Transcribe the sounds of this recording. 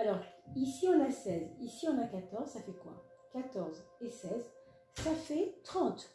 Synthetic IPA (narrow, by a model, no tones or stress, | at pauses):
alɔʁisiɑ̃nasɛzisiɑ̃nakat̪ɔʁzsafɛkwa̰ | kʲat̪ɔʁzesɛz | safɛt̪χɑ̃t̪